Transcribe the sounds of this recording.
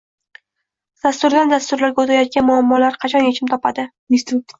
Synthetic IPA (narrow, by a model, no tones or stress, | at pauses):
d̪̥ast̪ʊɾd̪and̪ast̪ʊɾlaɾɡʲaot̪ʰajɒt̪̚kʲanmʊamːɒlaɾqʰɑt͡ʃʰɒnjet͡ʃʰɪmt̪ʰɒpʰad̪ɪ